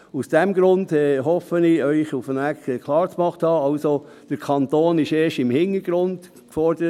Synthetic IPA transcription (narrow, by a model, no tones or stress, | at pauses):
usd̥ɛmɡɾʊndɛɦɔfənɪœʏχufənækɛkʰlˠɑːɾt͡smɑχthɑːɑʊso | d̥əɾkʰɑnt̪oːnɪʃeːʃɪmhɪnːəɾɡ̥ɾʊnd̥ | kfɔɾdəɾə